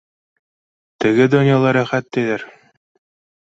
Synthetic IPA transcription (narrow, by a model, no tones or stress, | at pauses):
t̪ɘ̆ɡɘd̪ŏnʲjɑlˠɑɾɤχæt̪ːeðɘɾ